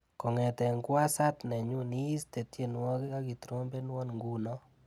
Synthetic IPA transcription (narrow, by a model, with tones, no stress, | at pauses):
kɔ˨ŋɛ˨t̪ɛ˨ŋkwa˦sa˦t̪nɛ˨ɲu˦ni˦i˦ste˨tje˦nwɔ˦ki˦ka˦ki˨tɾo˦mbe˦nwɔ˦nŋɡu˦nɔ˦